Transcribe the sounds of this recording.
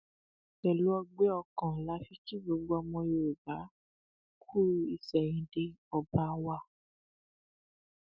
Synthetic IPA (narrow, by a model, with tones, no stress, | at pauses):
kɛ˨lu˨˦ɔ˧ɡ͡be˦ɔ˧kɔ̃˨la˨˦fi˦ti˦ɡ͡bo˨˧˦ɡ͡bo˧ɔ˧mɔ̃˧jo˧˨e˨ba˨˦ | kʰu˦ɾu˧i˨sɛ˨j̃ĩ˨˧de˧ɔ˨ba˦wa˦˧˨